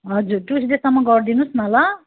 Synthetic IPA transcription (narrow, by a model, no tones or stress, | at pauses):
ɦʌd͡zurʈusʰd̪esʌmːʌɡʌrd̪inusmalʌ